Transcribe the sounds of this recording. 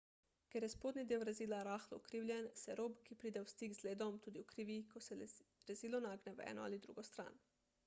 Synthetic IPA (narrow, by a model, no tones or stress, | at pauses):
kʲeɾjɛspoːd̪nid̪iwɾɛziːlaɾaːxlɔukɾiːwljɛnsɛɾoːbkipɾiːd̪ɛwst̪iːɡzleːd̪ɔmt̪uːd̪iukɾiːʋikosɛɾɛziːlɔnaːɡnɛʋɛ̰ːnɔ̰a̰lid̪ɾṵɡost̪ɾa̰ːn